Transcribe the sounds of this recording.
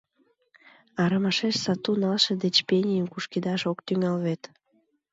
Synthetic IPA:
ɑɾəmɑʃeʃsɑt̪unɑlʃĕd̪et͡ɕpenʲijəmkuʃkid̪ɑʃokt̪yŋɑlβet̪

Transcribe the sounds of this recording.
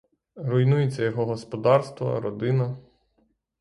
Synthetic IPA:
ɾʊjnujet͡sʲːɐjɔɦɔɦɔspɔd̪ɑrst̪ʋɐ̰ɾɔd̪ɪnɐ

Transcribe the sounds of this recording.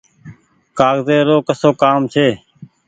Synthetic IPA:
kaːɣzeːɾoːkəsoːkaːmt͡ʃʰeː

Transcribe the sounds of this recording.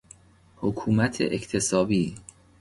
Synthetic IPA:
hokʰuːmæt̪ʰḛʔect̪ʰe̞sɒːbiː

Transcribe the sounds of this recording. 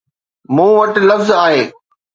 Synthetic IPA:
mũːʋɐʈ̆lɐfzaːɦeː

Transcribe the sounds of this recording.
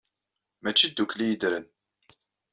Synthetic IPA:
mæt͡ʃːid̪ːuklijəd̪ɾən

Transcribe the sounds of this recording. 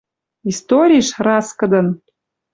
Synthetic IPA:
ist̪oɾʲiʃrɑskɤ̆d̪ə̆n

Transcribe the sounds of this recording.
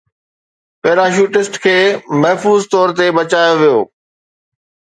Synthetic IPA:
peːɾaːʃ̬uːʈɪsʈkʰeːmɛɦfuːzt̪ɔːɾt̪ebɐt͡ɕaːjoʋijo̰ː

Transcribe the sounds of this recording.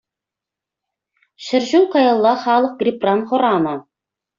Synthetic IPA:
ʃɘ̆rʒulkɑjɑlˠːɑχɑlˠəq̚ɡrʲiprɑnχŏɾɑmɤ

